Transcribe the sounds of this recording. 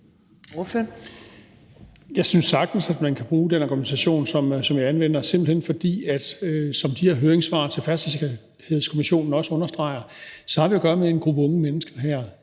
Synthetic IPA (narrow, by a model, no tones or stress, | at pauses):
ɔfø | jɑ̈ɪsynsːɑ̈ɡ̥̚d̥n̩sæd̥mænkʰæb̥ʁuːd̥enɑɡ̥umisæɕo̝̰ːnsɒ̽msɒ̽mjiænʋen̰ɐse̝m̰b̥l̩henfɒ̽d̥ḭːæd̥øsɒ̽md̥iheɐɦøːɐeŋsʋɑ̈ːt͡sʰe̝fæɐsd̥esʰ | he̝ðˠskʰomiɕo̝̰ːnn̩ɒ̽səɔ̽nɐsd̥ʁɑ̈ɪ̰ɐsɒ̽hɑ̈ʋiæɡ̥ɶːɐmee̝nɡ̥ʁub̥əɔ̽ŋəmenəsɡ̥ɐɦæɐ̰